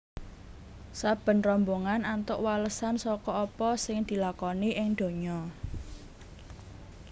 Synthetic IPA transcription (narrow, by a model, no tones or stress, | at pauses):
sab̥ə̤nrɔmboŋanant̪ʊʔwaləsansɔkɔɔpɔsɪŋd̪̥i̤lakɔniʔɪŋd̪̥o̤ɲɔ